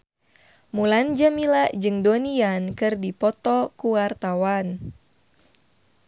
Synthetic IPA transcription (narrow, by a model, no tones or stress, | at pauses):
muland͡ʒamilaʔd͡ʒɨŋdoniankɨrdipɔt̪ɔkuwart̪awan